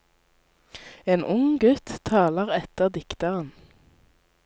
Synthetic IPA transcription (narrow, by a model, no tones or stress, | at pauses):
eːnʔʊŋɡʉt̪ʰːɑːləʁɛt̪əʁd̪ɪkt̪əʁən